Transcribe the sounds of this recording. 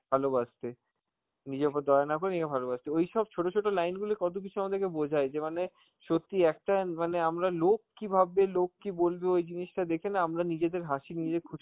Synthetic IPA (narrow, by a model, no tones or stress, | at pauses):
bʱalobad͡ʑt̪e | nid͡ʑeabaɾd̪ɔeanakoɾenikabʱalobad͡ʑt̪eojʃɔb̚t͡ɕʰoʈot͡ɕʰoʈolajnɡulekɔt̪̬ok̬it͡ɕʰuamad̪eɾkebod͡ʑʱaed͡ʑemane | ʃot̪ːiɛk̚ʈamaneamɾalokːibʱabelokːibolbeojd͡ʑiniʃʈad̪ekʰenaamɾanid͡ʑed̪eɾɦaʃinid͡ʑed̪eɾkʰuʃ